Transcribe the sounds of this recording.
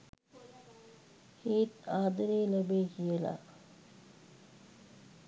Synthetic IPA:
heːt̪aːd̪ɐɾeːlɐbeːkijəla̰ː

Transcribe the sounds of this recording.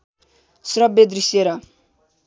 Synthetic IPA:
srʌbed̪ɾisjeɾʌ

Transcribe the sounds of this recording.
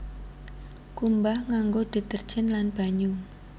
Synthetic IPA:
kumbahŋaŋɡod̪̥i̤t̪ərd̥ʒ̥ənlanb̥a̤ɲu

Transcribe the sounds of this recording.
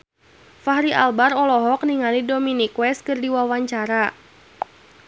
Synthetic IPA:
fahɾiʔa̰lbarɔlɔɦɔk̚niŋalidominikwɛskɨrdiwawaɲt͡ʃaɾa

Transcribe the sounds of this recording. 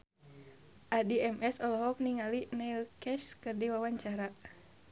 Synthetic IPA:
ʔadiɛmɛsɔlɔɦɔk̚niŋalinailkɛskɨrdiwawaɲt͡ʃaɾa

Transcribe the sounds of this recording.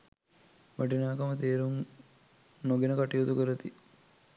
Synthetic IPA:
ʋaʈinaːkɐmət̪eːɾuŋ | noɡenəkaʈijot̪ukəɾət̪i

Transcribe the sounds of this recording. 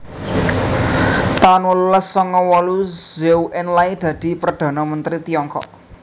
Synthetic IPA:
t̪anwɔluləsːɔŋɔwɔluz̥ɛwʔɪnlaid̪̥ä̤d̪̥i̤pɾɔd̪̥a̤namənt̪ɾit̪ijɔŋkɔ̰ʔ

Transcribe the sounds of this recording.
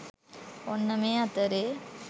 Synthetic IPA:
onːɐmeːɐt̪ːɐɾe

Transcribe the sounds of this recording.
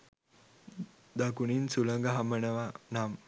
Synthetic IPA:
d̪akuninsuləŋɡəɦaməɳəʋanam

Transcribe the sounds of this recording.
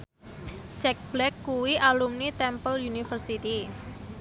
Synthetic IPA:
t͡ʃɛk̚b̥lɛkːuwiʔalumnit̪ɛmpəljunifərsit̪i

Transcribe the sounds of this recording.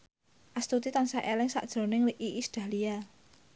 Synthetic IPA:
ʔast̪ut̪it̪ansaʔelɪŋsa̰ʔd̥ʒ̥ɾo̤nɪŋliʔiʔisd̪̥a̤lia

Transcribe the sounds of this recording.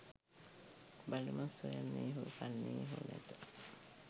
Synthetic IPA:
balumasojanːiːɦufanːiːɦunḛt̪ə

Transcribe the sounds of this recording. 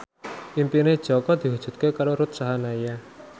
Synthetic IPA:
ʔimpined̥ʒ̥ɔkɔd̪̥i̤ɦud̥ʒ̥ṳt̪̚kekaɾoɾut̪̚saɦanaja

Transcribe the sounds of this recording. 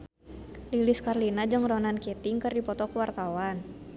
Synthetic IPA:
liliskarlinad͡ʒəŋrɔnankɛt̪ɪŋkɨrdipɔt̪ɔkuwart̪awan

